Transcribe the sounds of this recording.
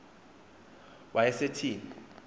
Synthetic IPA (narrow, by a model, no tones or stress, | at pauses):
wʔajɛsetʰiːni